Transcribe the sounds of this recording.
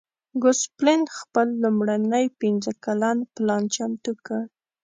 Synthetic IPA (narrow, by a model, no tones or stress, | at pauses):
ɡʊsplenxpəlːumɽanəjpinzəkalanplɑnt͡ʃamt̪ukəɽ